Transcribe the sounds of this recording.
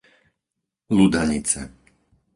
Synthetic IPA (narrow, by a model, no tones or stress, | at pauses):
lud̪aɲit͡sɛ̰